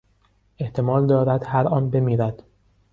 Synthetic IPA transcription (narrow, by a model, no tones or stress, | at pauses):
e̞ht̪ʰe̞mɒːld̪ɒːɾæd̪hæɾɒːnbe̞miːɾæd̪̥